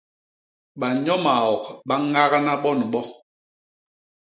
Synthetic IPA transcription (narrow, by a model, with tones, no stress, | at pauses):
ɓa˨ɲɔ˦ma˨ɔ˨k̚ɓa˦ŋa˦ɣa˦na˦ɓɔ˦n˨ɓɔ˦